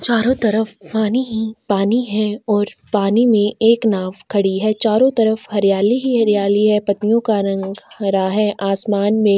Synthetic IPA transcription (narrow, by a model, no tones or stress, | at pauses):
t͡ʃaːɾõt̪ɐɾəfpaːniɦipaːniɦɛ̃ɔːɾpaːnimẽeːknaːʋkʰɐɽiɦɛːt͡ʃaːɾõt̪ɐɾəfhɐɾjaːliɦiɦɐɾijaːliɦɛpɐt̪ijõkaɾɐ̃ŋɡɾaɦɛʔaːsmaːnmẽ